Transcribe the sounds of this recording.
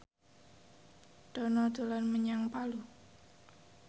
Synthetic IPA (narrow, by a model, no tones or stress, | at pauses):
d̪̥ɔnɔd̪̥o̤lanməɲaŋpalu